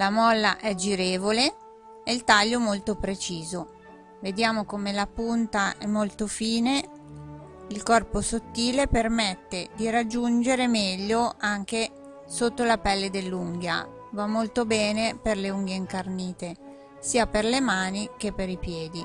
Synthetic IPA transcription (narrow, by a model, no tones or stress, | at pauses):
lamɔlːaʔɛd͡ʒiɾeːvole | eilt̪aʎːomolt̪opɾet͡ʃiːzo | ved̪jaːmokomelapunt̪aʔɛmːolt̪ofiːne | ilkɔrposot̪ːiːlepermet̪ːed̪iɾad͡ʒːund͡ʒeɾemɛʎːoaŋk̟e | sot̪ːolapɛlːed̪elːuŋɡja̰ | vamːolt̪obɛːneperleuŋɡeiŋkarniːt̪e | siːaperlemaːnik̟epːeɾipjɛːd̪i